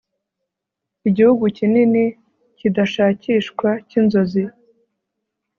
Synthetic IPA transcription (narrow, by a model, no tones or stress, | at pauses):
iɟihuɡucinini | cidaʃaːciːʃkwacinzo̞zi